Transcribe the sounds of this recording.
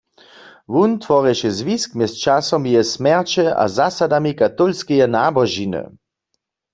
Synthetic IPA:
ʋunt̪ʋɔʁɛʃɛzʋiskmjɛst͡ʃasɔmjɛsmɛʁt͡ʃɛʔa̰zasadamikat̪ɔlskɛjɛnabɔʒinɨ̰

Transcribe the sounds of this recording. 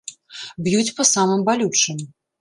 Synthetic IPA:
bjut͡sʲpɐsamɨmbalʲut͡ʂɨm

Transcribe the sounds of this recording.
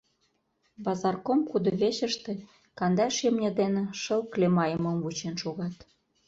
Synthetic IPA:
bɑzɑrkomkud̪ŏβeɕə̆ʃt̪ĕ | kɑnd̪ɑʃjemnʲɤ̆d̪enĕʃɤ̆lklemɑjə̆mə̆mvut͡ɕenʃoɣɑt̪

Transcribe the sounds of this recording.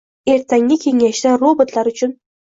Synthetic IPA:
e̞ɾt̪ʰaŋʲɪkʲʰe̞ŋaʃd̪aɾobot̪ʰlaɾʊt͡ʃʰʊn

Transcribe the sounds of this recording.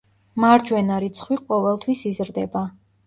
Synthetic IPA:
maɾd͡ʒwɛnaɾit̪sʰχwiqʼɔvɛlˠt̪ʰwisizɾd̪ɛba

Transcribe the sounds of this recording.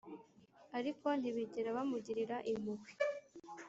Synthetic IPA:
aɾiko̞n̥hiβiɟeɾaβamuɟiɾiɾaʔimuɡwi̥

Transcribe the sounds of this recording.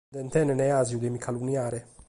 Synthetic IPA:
d̪ɛnt̪ɛneneazjud̪emikʰalunjaːɾe

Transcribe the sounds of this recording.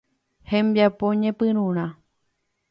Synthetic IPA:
hẽmbjapoɲẽpɨ̃ɾ̃ũɾ̃ã

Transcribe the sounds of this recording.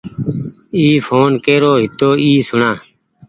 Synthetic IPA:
iːfʰoːnkeːɾoːɦɪt̪oːiːsʊɳãː

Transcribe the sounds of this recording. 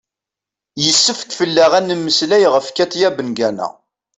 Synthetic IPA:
jəsːəfkfəlːaʁænːəmːəslæjʁəfkæt̪jæbənɡænæ̰

